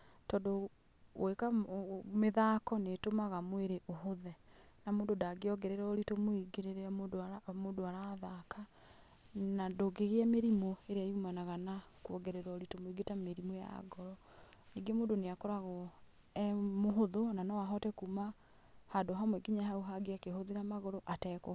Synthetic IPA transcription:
tɔdo | wekameðakɔnetomaɣamoeɾeʔoɦoðɛnamoːndodaɡeɔɡɛɾeɾaɔɾitomoiɡeɾeɾedmodoaɾaːðaka | nadoɡeɣeɛmeɾimoeɾeajumanaɣana | kuɔɡɛɾeɾɔːɾitomoiɡetameɾimoja̰ɡɔɾɔ | niɡemoːndoneakoɾaɣɔ | ɛmoɦoðonanɔwaɦɔtɛkuma | hadoɦamwɛɡiɲaɦauɦaɡeakehoðiɾamaɣoɾoʔatɛkɔ

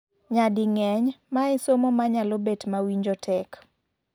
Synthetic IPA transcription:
ɲadɪŋɛɲmaɛsomomaɲalobetmawiɲd͡ʒɔtʰɛk

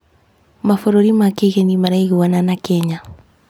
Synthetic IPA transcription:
mafɔɾoɾimakeɣenimaɾaiɣuwananakɛɲa

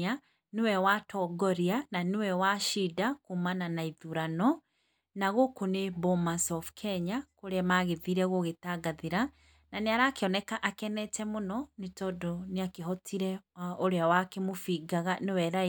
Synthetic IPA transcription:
a | newɛwatʰɔɡɔɾiananewɛwaʃidakumananaiðuɾanɔ | naɣokonebomasɔfkʰɛɲakoɾeamaɣeðiɾɛɣoɣetaɡaðeɾa | naneaɾaːkeɔnɛkaʔakɛnɛtɛmonɔnetɔdoneakeɦɔtʰiɾɛoɾeawakemofiɡaɣanewɛɾa

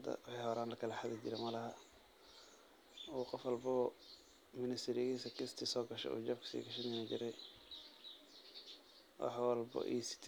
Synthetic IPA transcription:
d̪ɐ̰wɑħɑjhɔɾaːnlɐkʰɐlɐħad̪ɐd͡ʒɪɾɛmɐlɐɦɐ | uːqɔfwɑlbɐ | mɪnɪst̪ʰɪɾɪɣiːsɐkʰɪst̪ʰɪsɔːɡɐʃɛ̰ṵːd͡ʒɐbkʰɐ̥sḭːɡɐʃɐnɪnɐd͡ʒɪɾɛj | wɑ̰ħwɑlbɐ̰ʔḭsɪ̥t̪ʰ

